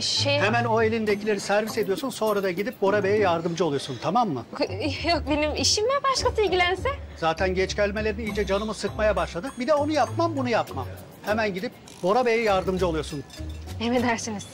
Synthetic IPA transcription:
ʃehemæno̞e̞lʲind̪ecʰilʲe̞ɾisæɾvise̞d̪ijo̞sunso̞nɾad̪aɟid̪ip̚bo̞ɾabejɛjaɾd̪ɯmd͡ʒɯo̞lˠujo̞sunt̪ʰamamːɯ̰jok̚be̞nimiʃimæbaʃkasɯilʲɟilʲænsɛz̥aːt̪ʰænɟɛt͡ʃɟælʲme̞lʲe̞ɾimiid͡ʒɛd͡ʒanɯmɯsɯkmajabaʃlˠad̪ɯbid̪ɛo̞nujapmambunujapma̰m | hemænɟid̪ip̚ | bo̞ɾabejɛjaɾd̪ɯmd͡ʒɯo̞lˠujo̞sunemed̪æɾsiniz̥

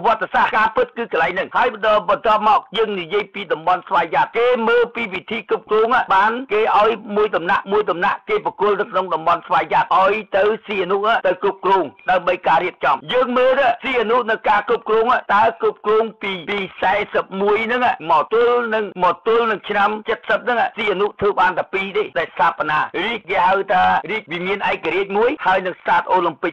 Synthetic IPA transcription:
ʋŏət̪ːesahkaːpɨt̪̚kɨːkəlaɛjŋnɨŋhaəjɗɔːɓɑnt̪ŏəp̚mɑːk̚jəːŋnijiəjpiːɗɑmɓɑnsʋaːjjat̪̚keːməːlpiːʋit̪ʰiːkup̚krɔːŋaːʔɓaːnkeːʔaɔjmuəjɗɑmnaʔmuəjɗɑmnaʔkeːprɑkuəlnɨwkʰnoŋɗɑmɓɑnsʋaːjjat̪̚ʔaɔjt̪ɨwsiːʔanuhʔaːʔt̪ɨwkup̚krɔːŋɗaəmɓəjkaːɾiəp̚t͡ɕɑmjəːŋməːt̪asiːʔanuʔnɨwkaːkup̚krɔːŋaːʔt̪aɛkup̚krɔːŋpiːpiːsaɛsəp̚muəjnɨŋamɑːt̪ʊəlnɨŋmɔːt̪ʊəlnɨŋt͡ɕʰnamt͡ɕət̪̚səp̚nɨŋaʔsiːʔanuʔt̪ʰəːɓaːnt̪ʰaːpiːɗeːɗaɛlst̪ʰaːpːanaːriək̚keːhawt̪ʰaːriːk̚ʋimiənʔaɛk̚ːaɾiəc̚muəjhaəjnɨŋstaːt̪̚ʔoːləmpɨk̚

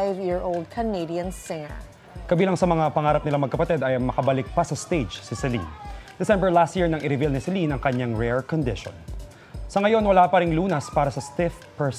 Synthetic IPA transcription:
ɪvjɪɹolˠd̪̚kʰəneɪdiɐ̃nsɪ̃ŋə̰˞ | kɐbiːlɐŋsɐmɐŋapɐŋaːɾɐp̚nɪlaɐŋmɐɡkːɐpɐt̪ɛd̪ɐjŋmɐkɐbɐlɪk̚pɐsɐst̪ejd͡ʒsɪsɛlḭnd̪ɛsɛ̃mbɛɹlast̪̚jiɹnɐŋʔɪɾɪvilnɪsɪlinɐŋkɐɲaŋɹɛɹkɔnd̪ɪʃo̰n | sɐŋɐjo̞nwɐlaːpɐɾɪŋluːnɐspaːɾɐsɐst̪ɪf | pɛɹs

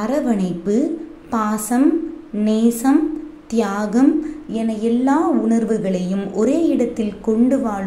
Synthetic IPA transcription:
ɐɾɐʋɐɳɐɪpːɯ | paːsɐmneːsɐmt̪jaːɣɐmɛnɐjɛlːaːʊɳɐɾʋɯɣɐɭɐjɯmʔɔɾeːɪɽɐt̪ːɪlkɔɳɖɯʋaːɭ

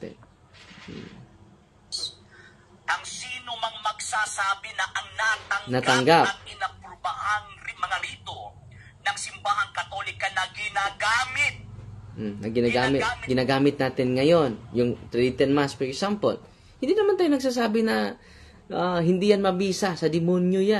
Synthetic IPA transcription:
t̪ɛ̰ | ʔɐŋsiːnomɐŋmɐɡsaːsaːbɪnɐʔɐŋnat̪ɐŋnɐɡt̪ɐŋɡat̪̚ɪnɐpɾobahaŋɾimɐŋaɾiːt̪o | nɐŋsɪmbaːhɐŋkɐt̪olɪkɐnɐɡɪnaɡaːmɪt̪̩̚ | nɐɡɪnaɡamɪtaɡɪnaːɡaːmɪt̪̚naːt̪ɪnŋɐjo̞njʊŋt̪ɾit̪ɛnmaspɛɹɛksampo̰l | hɪnd̪iːnɐmant̪aːjʊnɐɡ̚s̬aːs̬aːbɪnɐ | ʔahɪnd̪ijanmɐbiːsɐsɐd̪ɪmonjoja

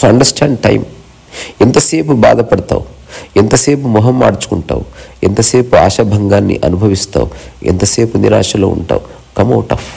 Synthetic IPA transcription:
ɐɳɖɐɾsʈʰaːɳɖʈɐ̰jm | ɛnt̪ɐse̞ːpuba̰ːd̪ɐpɐɽɐt̪a̰ːw | ent̪ɐse̞ːpumɔɦɐmːa̰ːɽt͡ʃu̥kuɳʈa̰ːwuɛnt̪ɐse̞ːpua̰ːʃɐbʱɐŋɡaːnːḭʔɐnubʱɐʋist̪a̰ːwuɛnt̪ɐse̞ːpuniɾa̰ːʂɐloːṵɳʈa̰ːwu | kɐmɐwʈɐ̰f

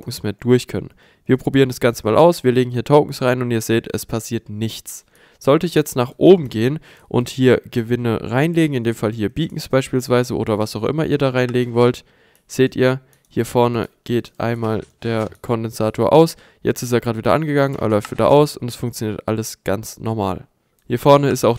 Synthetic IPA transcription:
ʊkŋ̩smeːɐd̥ʊɐçkʰœnən | viːɐpʁ̥obiːʁ̞əndasɡ̥ant͡səmaːlʔaʊsv̥iːɐleːɡŋ̩hiːɐtʰoʊkŋ̩sʁaɪnʊntiːɐzeːtɛ̰spʰasiːɐtnɪçt͡s | z̥ɔltəɪçjɛt͡stnaːχʔoːbm̩ɡeːən | ʔʊ̰nthiːɐɡ̥əvɪnə̰ʁaɪnleːɡŋ̩ɪndeːmfalɦiːɐbiːkŋ̩sb̥aɪʃpiːlsv̥aɪzəʔo̰ːɾɐvasaʊxʔɪ̰mɐʔiːɐdaːʁaɪnleːɡŋ̩vɔlt | z̥eːtḭːɐ | hiːɐfɔɐnə̰ɡ̥eːtʔa̰ɪnmaːld̥eːɐkʰɔndɛnz̥aːtʰoːɐʔa̰ʊs | jɛ̰t͡stɪs̬teːɐɡʁaːtviːdɐʔanɡəɡaŋənʔḛːɐlɔʏftviːdɐ̰ʔa̰ʊsʊntɛsfʊŋkt͡sjoniːɐtʔa̰ləsɡ̥ant͡snʔɔɐma̰ːl | hiːɐfɔɐnəɪstaʊx

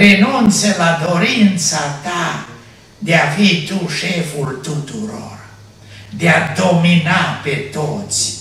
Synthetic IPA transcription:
renunt̪selad̪oɾint̪sat̪a | d̪eafit̪uʃefult̪ut̪uɾo̰r | d̪ead̪ominapet̪ot̪s

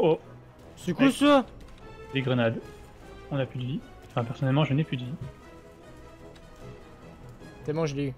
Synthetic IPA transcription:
o | sykusø | d̪eɡʁənad̪ | ɔ̃naplyd̪əvi | ɑ̃fɛ̃pɛʁsɔnɛlmɑ̃ʒənɛpyd̪vi | t̪emɑ̃ʒli

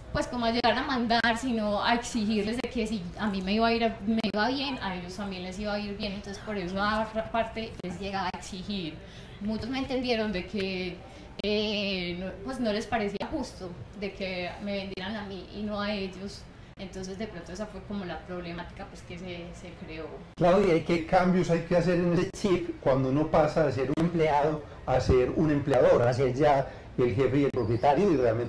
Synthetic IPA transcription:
pwe̞sko̞moaʝe̞ɣaɾnamãnd̪aɾsino̞a̰eksixiɾezd̪eke̞siamime̞iβaaiɾameβaβje̞nae̞ʝost̪ambjenle̞siβaaiɾbje̞nent̪o̞nsespo̞ɾe̞s̬oaot̪ɾapaɾt̪e̞le̞zd͡ʒe̞ɣaβaeksixiɾ | mũt͡ʃozmeːnt̪end̪jeɾo̞nd̪e̞kʰe | enopwe̞sno̞le̞spaɾe̞siaxust̪od̪e̞keme̞βe̞nd̪je̞ɾanamiʔino̞ae̞d͡ʒo̞s | ent̪o̞ns̬e̞zd̪e̞pɾont̪oes̬afwe̞ko̞mo̞lapɾo̞βlemat̪i̥kapweskesese̞kɾe̞oklaɾoiajkekambjo̞sajkeas̬e̞ɾenest͡ʃipkwand̪ouno̞pasaas̬e̞ɾunempleaðo | aseɾune̞mpleaðoɾase̞ɾd͡ʒa | elxe̞fejelpɾo̞pjet̪aɾjoirealment̪e

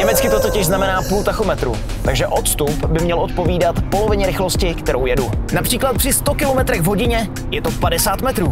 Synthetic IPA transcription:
ɲɛmɛt͡skɪt̪ot̪ocɪʒznamɛnaːpuːlt̪axomɛt̪ɾṵː | t̪aɡʒɛʔo̞t̪st̪upbɪmɲɛlʔot̪̚po̞viːdat̪po̞lo̞vɪɲɛɾɪxloscɪkt̪ɛɾo̞wjɛdunapr̥iːklat̪̚pr̥ɪst̪okɪlomɛt̪ɾɛɣvɦo̞ɟɪɲɛ | jɛt̪opadɛsaːt̪mɛt̪ɾuː

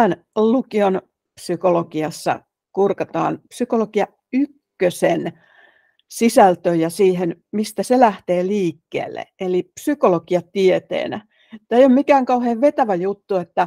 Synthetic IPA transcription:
æn | lukion | psykolokiɑsːɑ̰ | kurkɑt̪ɑ̰ːnpsykolokiɑ | ykːøsen | sisælt̪øjɑsiːhen | mist̪æselæht̪eːliːkːḛːlːḛelipsykolokiɑt̪iet̪ḛːnæ | et̪ːæeijommikæːŋkɑuheːʋʋet̪æʋæjut̪ːuet̪ːæ

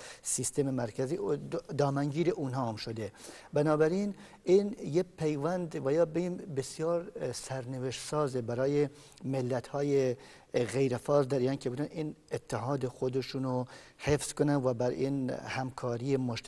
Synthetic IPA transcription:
sist̪ememæɾkʰæziːd̪ɒːmæŋɡiːɾeʔuːnɦɑːmʃod̪ebænɒːbæɾiːn | injepʰejvænd̪væjɑːbeimbesijɑːɾsæɾneveʃt̪sɑːzebæɾɒːje | melːæt̪hɒːje | ɣejɾefɒːzd̪æɾiːɑːnkʰebud̪ænʔiːnet̪ʰːeɦɑːd̪exod̪eʃuno | hefz̥konænvæbæɾḭːnhæmkʰɒːɾiːemoʃ

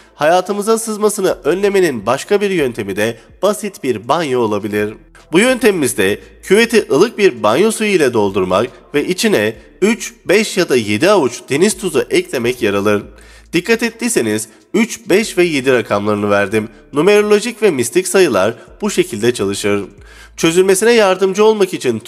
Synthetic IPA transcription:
hajaːt̪ʰɯmɯzɯnsɯzmasɯnɯʔønlʲe̞me̞ninbaʃkʰabiɾjø̞nt̪ʰe̞mid̪ɛ | b̥asit̪biɾbanjoːlˠabilʲiɾ̥ | bujø̞nt̪ʰemimizd̪ɛcʰyve̞t̪ʰiʔɯlˠɯk̚biɾbanjo̞sujilʲɛd̪o̞lˠd̪uɾma̰kvɛʔit͡ʃʰinɛ | yt͡ʃbɛʃjad̪aje̞d̪iavut͡ʃd̪e̞niz̥t̪ʰuzuʔɛclʲe̞mɛcjaɾalˠɯɾ | d̪̥ikʰːat̪ɛt̪ːiseniz | yt͡ʃbɛʃvɛje̞d̪iɾakʰamlˠaɾɯnɯvæɾd̪im | nume̞ɾo̞lʲo̞ʒicvɛmist̪ʰicsajɯlˠaɾb̥uʃe̞cʰilʲd̪ɛt͡ʃʰalˠɯʃɯɾ̥ | t͡ʃʰø̞zylʲme̞sinɛjaɾd̪ɯmd͡ʒɯo̞lˠmakit͡ʃʰin

